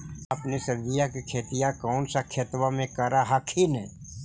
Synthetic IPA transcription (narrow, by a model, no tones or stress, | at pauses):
ɐpnesɐɾbijakikʰeːt̪ijakɔːnsakʰeːt̪wamẽkɐɾaɦakʰinɛ